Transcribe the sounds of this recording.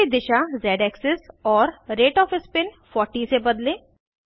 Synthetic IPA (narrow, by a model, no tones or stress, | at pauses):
id̪ɪʃazɛːɖɛːksɪsɔːɾɾeːʈɔːfɪspɪnfɔːɾʈisebɐd̪lẽː